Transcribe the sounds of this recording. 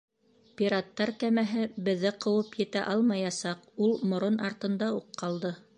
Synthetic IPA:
pʲiɾat̪ːɑɾkæmæɦɘbɘ̆ðːɘqɤ̆wɤpjɘ̆t̪æʔɑlˠmɑjɑsɑqulˠmŏɾonɑɾt̪ɤ̆nd̪ɑuqʰːɑlˠd̪ɤ

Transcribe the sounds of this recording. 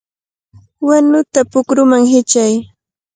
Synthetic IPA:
wanʊt̪apʊkɾʊmaŋɦɪt͡ʃaj

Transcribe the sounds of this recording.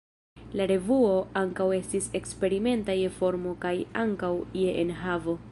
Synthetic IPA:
laɾe̞vuo̞aŋkawe̞stise̞kspe̞ɾime̞ntaje̞fo̞ɾmo̞kaja̰ŋkawieʔenɦavo̞

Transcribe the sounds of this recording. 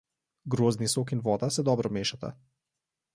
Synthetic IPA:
ɡɾoːznisokinʋɔːd̪asɛd̪ɔbɾɔmeːʃat̪a̰

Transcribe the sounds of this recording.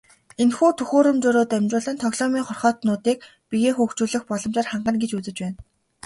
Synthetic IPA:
enxuːt̪ʰɵxoːɾɵ̆mt͡ɕʊːɾoːt̪æmʲt͡ɕʊːɮə̆nt̪ʰɔɣɮɔːmiːŋχɔrχɔːt̪nʊːt̪iːk̚ | piɣeːxuːxt͡ɕuːɮɘ̆xpɔɮɞ̆mt͡ɕaːrχaɴɢə̆nɡet͡ɕut͡sɘ̆t͡ɕpæːn

